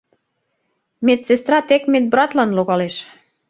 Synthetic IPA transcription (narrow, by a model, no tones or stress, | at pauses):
met̪sest̪ɾɑt̪ekmet̪̚brɑt̪lɑnloɣɑleʃ